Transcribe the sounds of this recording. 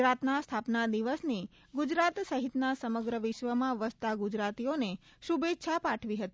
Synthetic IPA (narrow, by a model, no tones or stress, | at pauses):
ɾat̪nast̪ʰapnad̪iʋəsni | ɡud͡ʒɾat̪səɦit̪nasəməɡɾəʋɪʃʋəmãʋəst̪aɡud͡ʒɾat̪ijoneʃubet̪ːʃʰapaʈʰʋiɦət̪i